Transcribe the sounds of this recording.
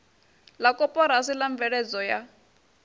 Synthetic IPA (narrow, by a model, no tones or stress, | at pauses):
lakʼɔpʼɔɾasilaɱvɛɺɛd͡zɔja